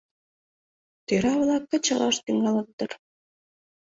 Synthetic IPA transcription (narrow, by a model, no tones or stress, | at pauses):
t̪eɾɑβlɑkːə̆t͡ɕɑʁɑʃt̪yŋɡɑlə̆k̚t̪ər